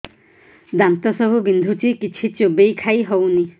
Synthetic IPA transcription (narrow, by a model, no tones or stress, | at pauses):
d̪ant̪ɔsɔbʱubind̪ʱut͡ʃikit͡ʃʰit͡ʃobejkʰajɦɔwni